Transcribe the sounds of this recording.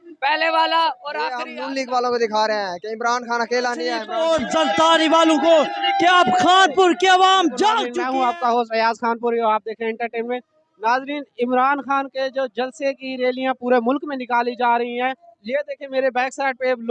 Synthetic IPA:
pɛːleʋaːlaoːɾaːiʊlɪkʋaːlõkod̪ɪkʰaːɾeɦẽkeɪmɾaːnxaːnɐkeːlanɪ̃oːɾzəlt̪aːɾiʋaːlõkokeaːpxʰaːnpʊɾkeɐʋaːmd͡ʒãːnɛːɦũaːp̚kaɦoːsəjaːzxaːnpʊɾaːp̚d̪eːkʰẽɪ̃ɳʈəɾʈeːmmẽ | naːzɾiːnɪmɾaːnxaːnked͡ʒoːd͡ʒəlsekiɾeːlijãpuːɾemʊlkmẽnɪkaːlid͡ʒaːɾɐɦiɦɛ̃ːjed̪eːkʰẽmeːɾebɛːksaːɪʈ̚peblː

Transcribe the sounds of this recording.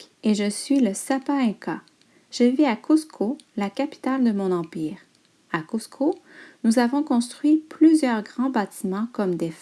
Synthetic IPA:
eʒəsɥiləsapaɛ̃ka | ʒ̥eviakuskʰolakʲapi̥t̪ald̪əmɔ̃nɑ̃piːʁ | akuskʰonuzavɔ̃kɔ̃st̪χɥiplyzjœʁɡʁɑ̃bat̪imɑ̃kɔmd̪ef

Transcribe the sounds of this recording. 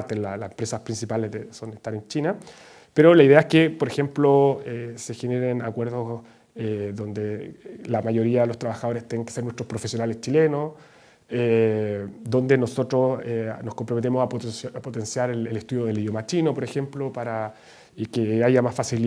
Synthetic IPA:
ɾt̪elalasempɾe̞saspɾinsipalezðesoneht̪aɾent͡ʃina | peɾolaiðeaeskepoɾexe̞mploesexeneɾenakwe̞ɾðos | eðo̞nd̪elamajo̞ɾiaðelost̪ɾaβaxaðo̞ɾest̪ːeneŋkeseɾnwet̪ɾospɾo̞fesjo̞nalest͡ʃile̞nos | e | d̪o̞nd̪enoso̞t̪ɾosenoskompɾo̞met̪emosapoapot̪e̞nsjaɾelelest̪uðjoð̞e̞liðjo̞mat͡ʃino̞poɾe̞xe̞mplopaɾa | keajamasfasil

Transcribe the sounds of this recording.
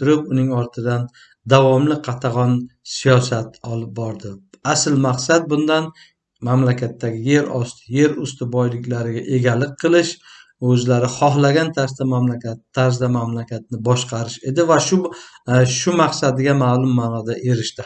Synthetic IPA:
t̪ʊɾɪpʊnɪŋɒɾt̪ʰɪd̪an | d̪avɒmlɪqʰɑt̪ʰaʁɒnsijɒsat̪ɒlˠɪp̚bɒɾd̪ɪasɪlmaqsad̪̚bʊnd̪an | mamlakʲʰat̪ːaɡʲɪje̞ɾɒst̪ʰɪje̞ɾʊst̪ʰɪbɒjlɪkʲlaɾɪɡʲaʔe̞ɡʲalɪk̚ʲqʰɨlˠɪʃ | ɵzlaɾɪχɒɦlaɡʲant̪ʰaɾsd̪amamlakʲat̪ʰːaɾsd̪amamlakʲʰat̪̚nɪbɒʃqʰɑɾɪʃe̞d̪ɪvaʃʊ | ʃʊmaqsad̪ɪɡʲamaːlˠʊmːaːnɒd̪aʔe̞ɾɪʃt̪ɪ

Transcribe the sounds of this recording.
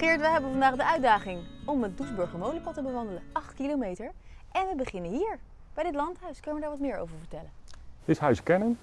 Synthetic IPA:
χɪːɹtʋəjɦɛbənvɑndaːχdəʔœɥdaːχɪŋɔmət̚dusbɵɹχəɹmowliəpɑtəbəʋɑndələɑχtkilowmejtəɹʔɛnʋəbəχɪnənɦiːɹ | b̥ɛjdɪtlɑntɦœɥskɵnəʋədaɹʋɑtmɪːɹo̰wvəɹvəɹtɛlənɪsɦœɥskɛnən

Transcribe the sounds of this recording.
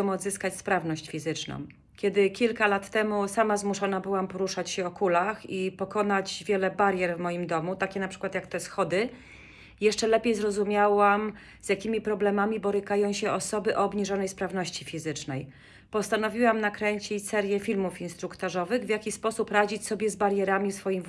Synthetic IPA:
ɔ̃w̃ɔd̪zɘskat͡ɕspɾavnɔɕt͡ɕfʲizɘt͡ʂnɔ̰̃w̃ | kʲɛd̪ɘkʲilkalat̪ːɛmusamazmuʂɔnabɘwampɔɾuʂat͡ɕɕɛɔkulaxipɔkɔnad͡ʑvʲjɛlɛbaɾʲjɛɾvmɔjimd̪ɔmut̪akʲɛnapʂɘ̥kwat̪jakt̪ɛsxɔd̪ɘ | jɛʂt͡ʂɛlɛpʲjejzɾɔzumʲjawam | z̥ʲjakʲimʲipɾɔblɛmamʲibɔɾɘkajɔ̃w̃ɕɛɔsɔbɘʔɔːbɲiʐɔnɛjspɾavnɔɕt͡ɕifʲizɘt͡ʂnɛj | pɔst̪an̪ɔvʲiwamnakɾɛɲt͡ɕit͡ɕsɛɾjɛfʲilmufinst̪ɾukt̪ɔʐɔvɘɣvʲjakʲispɔsupɾad͡ʑit͡ɕsɔbʲjɛzbaɾjɛɾamʲifsfɔjim

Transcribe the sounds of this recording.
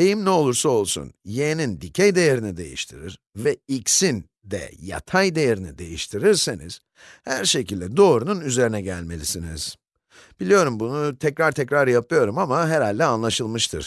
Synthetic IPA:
ejimnɛo̞lˠuɾsao̞lˠsṵnjenind̪icʰejd̪e̞jeɾinid̪e̞̰jḭʃt̪ʰiɾiɾ | vɛicsin | d̪ɛ̰ja̰t̪ʰajd̪e̞jeɾinḭd̪e̞̰jiʃt̪ʰiɾiɾsenḭz̥ | hæɾʃe̞cʰilʲd̪ɛd̪o̞ːɾununyze̞ɾinɛɟælʲme̞̰lʲisinḭz̥ | b̥ilʲijo̞ɾumbunut̪ʰɛcɾaɾt̪ʰɛcɾaɾjapʰɯjo̞ɾumamaɦeɾalʲːɛanlˠaʃɯlˠmɯʃt̪ʰɯ̰ɾ̥

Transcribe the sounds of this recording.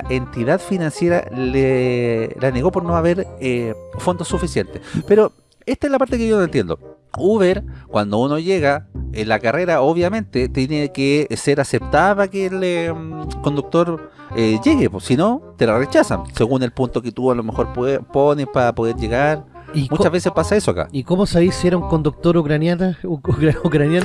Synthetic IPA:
ent̪iðaðfinansjeɾa̰le | laneɣo̞po̞ɾnoaβeɾefo̞nd̪osːufisjent̪epeɾo | est̪aezlapaɾt̪ekeʝonoent̪jend̪o̰ | uβeɾkwand̪o̞uno̞ʝeɣaelakare̞ɾaoβjamẽ̞nt̪et̪jenekeseɾase̞p̚t̪aðpakeːlmko̞nd̪uk̚t̪o̞ɾ | eʝeɣeposinot̪elaret͡ʃasa̰nseɣune̞lpunt̪oket̪ualome̞xo̞ɾpepo̞nespaɾapo̞ðe̞ɾʝeɣaɾ | imut͡ʃavβe̞sespasaesoaka̰ikomosaβisieɾauŋkond̪uk̚t̪oɾukɾanjana | ukɾanjan

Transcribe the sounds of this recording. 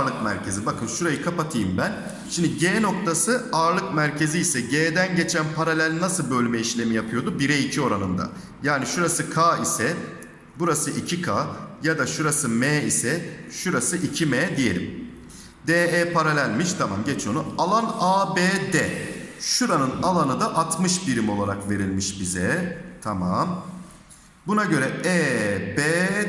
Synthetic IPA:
lˠɯkmæ̰ɾcʰe̞zibakʰɯnʃuɾajɯkʰapat̪ʰɯjimbæn | ʃimd̪iɟeːno̞kt̪ʰasɯaːɾlˠɯkmæɾcʰe̞ziːsɛɟeːd̪ænɟe̞t͡ʃʰænpʰaɾalʲælʲnasɯlˠbø̞lʲmɛiʃlʲe̞mijapʰɯjo̞d̪ubiɾɛicʰio̞ɾanɯ̰nd̪a̰ | jaːniʃuɾasɯkʰaːisɛ | buɾasɯʔicʰikʰaːjad̪aʃuɾasɯmeːisɛʃuɾasɯʔicʰimɛːd̪ije̞lʲḭm | d̪eːɛːpʰaɾalʲælʲmiʃt̪ʰama̰mɟɛt͡ʃʰo̞nualˠanaːbeːd̪ɛʃuɾanɯnalˠanɯd̪aʔat̪mɯʃbiɾimo̞lˠaɾakve̞ɾilʲmiʃbizɛt̪ʰama̰m | bunaɟø̞ɾɛɛːbɛː

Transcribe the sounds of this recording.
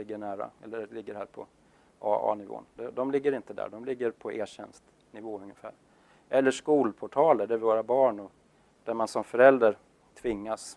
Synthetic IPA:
lɪɡːəɳæːɾa̰ɛlːəlɪɡːəɾhæːɾpʰɔ̰ | ɑːɑ̰ːnɪvo̰ːnd̪ɛd̪ɔmlɪɡːəɾɪnt̪əd̪æ̰ːɖɔmlɪɡːəɾpʰɔʔeːɕɛ̰nst̪ | nɪvoːɵŋːəfæ̰ːɾ | ʔɛlːəʂkuːlpʰɔʈʰɑːləɖæɾvɪvoːɾabɑːɳɔ | d̪̥æɾmansɔmfœɾɛld̪ɾaɾ | t̪ʰvɪŋːas

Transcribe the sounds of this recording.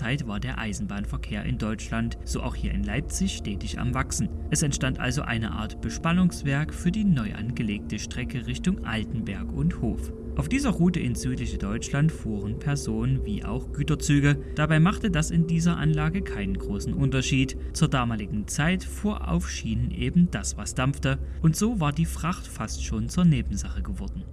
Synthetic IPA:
aɪtv̥aːɐdeːɐʔaɪzn̩baːnfɛɐkʰeːɐʔɪ̰ndɔʏt͡ʃlantz̥oːʔa̰ʊxhiːɐɪnlaɪp̚t͡sɪçʃtɛːtɪça̰mvaksn̩ʔɛsɛntʃtantʔa̰lzo̰ʔa̰ɪnə̰ʔa̰ːɐtb̥əʃpanʊŋsv̥ɛɐkfyːɐdiːnɔʏʔa̰nɡəleːk̚təʃtʁ̥ɛkʰəʁɪçtʊŋʔa̰ltn̩bɛɐkʊntho̰ːf | ʔaʊfd̥iːzɐʁuːtəʔɪnz̥yːtlɪçədɔʏt͡ʃlantfuːʁənpʰɛɐzoːnənvḭːʔa̰ʊxɡ̥yːtɐt͡syːɡəd̥abaɪmaχtədasɪndiːzɐʔa̰nlaːɡəkʰaɪnənɡʁoːsn̩ʔʊntɐʃiːtt͡suːɐdaːmaːlɪɡŋ̩t͡saɪtfoːɐʔa̰ʊfʃiːnənʔeːbm̩d̥asv̥asd̥amftəʔʊntz̥oːvaːɐdiːfʁ̥aχtfastʃoːnt͡suːɐneːbm̩zaχəɡəvɔɐdn̩

